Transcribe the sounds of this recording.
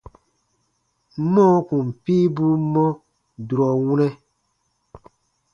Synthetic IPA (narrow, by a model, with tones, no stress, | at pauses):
mɔ̃˦ku˨m˨piː˦bu˦mɔ̃˦ | du˨ɾɔ˨wu˦nɛ˦